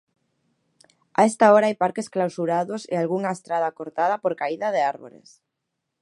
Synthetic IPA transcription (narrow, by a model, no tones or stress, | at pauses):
aest̪aoɾaajpaɾkesklawsuɾaðʊsḛalɣuŋaest̪ɾað̞akoɾt̪að̞apoɾkaiðaðeaɾβo̰lḛs